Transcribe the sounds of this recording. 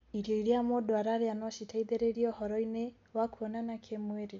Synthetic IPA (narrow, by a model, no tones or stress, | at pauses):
iɾiɔiɾiamɔdɔaɾaɾianɔʃitaiðɛɾɛiɾiɔhɔɾɔinɛ | wakuɔnanakʰɛmwɛɾɛ